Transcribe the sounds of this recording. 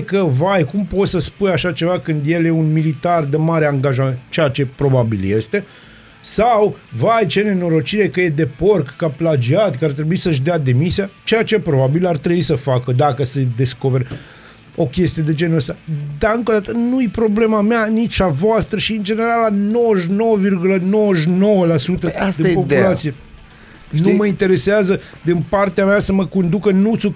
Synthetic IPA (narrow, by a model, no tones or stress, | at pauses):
kəvajkumpo̞t̪səspujaʃat͡ʃe̞vakɨnd̪je̞lje̞unmilit̪ard̪emaɾeaŋɡaʒament̪t͡ʃejat͡ʃe̞pɾo̞babilje̞st̪e̞ | sawvajt͡ʃene̞no̞ɾot͡ʃiɾe̞kəje̞d̪e̞po̞rkːaplad͡ʒiat̪ʲkəart̪ɾe̞buisəʃ̬d̪ead̪e̞misiat͡ʃejat͡ʃe̞pɾo̞babilart̪ɾebuisəfakəd̪akəsed̪e̞sko̞pe̞ɾ | o̞kʲe̞st̪ijed̪e̞d͡ʒe̞nəst̪ad̪aɨŋkod̪at̪ənujipɾo̞ble̞mameanit͡ʃavoast̪ɾəʃiɨnd͡ʒe̞ne̞ɾalano̞wəʃno̞wəvirɡuləno̞wəʃno̞wəlasut̪əd̪inpo̞pulat̪sie | numəint̪e̞ɾe̞seazə | d̪inpart̪eameasəməko̞nd̪ukənut̪su